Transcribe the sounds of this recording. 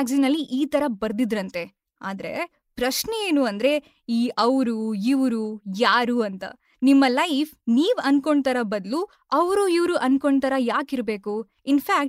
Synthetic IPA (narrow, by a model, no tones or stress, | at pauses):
kzinɐlːiʔiːt̪ɐɾɐbɐɾd̪id̪ɾɐnt̪e̞ | a̰ːd̪ɾe̞̰ | pɾɐʃneeːnuɐnd̪ɐɾe̞ | iːʔɐʋɾuiʋɾujaːɾuːɐnt̪ɐ̰ | nimːɐlɐjpʰniːʋɐnko̞ɳɖt̪ɐɾɐbɐd̪lu | ɐʋɾuiʋɾuʔɐnko̞ɳɖ̚t̪ɐɾɐjaːkiɾbe̞ːku | inpʰaːk̚ʈ